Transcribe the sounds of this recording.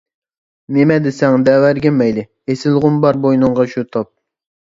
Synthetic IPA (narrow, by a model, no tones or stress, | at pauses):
nemɛd̪ɪsɛŋd̪ɛwæɾɡʲɛmɛjlɪ | esɪlˠʁʊmbɑɾbojnɨŋʁɑʃut̪ʰop̚